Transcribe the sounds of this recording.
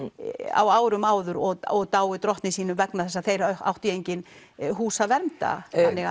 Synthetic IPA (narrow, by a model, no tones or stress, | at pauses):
a̰waːwɾʏmaːwðʏɾɔɔɣt̪aːwʏt̪ɾɔht̪nɪsiːnʏmvɛknaθɛsːaθejɾœa̰wht̪jejɲcɪn | ɦuːsavɛɾmt̪a̰θanːɪ